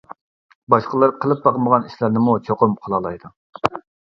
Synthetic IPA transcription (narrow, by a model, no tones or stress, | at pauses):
bɑʃqəlˠɨɾqʰəlˠɨp̚bɑqəməʁɑniʃlæɾnɪmut͡ʃʰoqʊmqʰolˠɑlˠɑjd̪u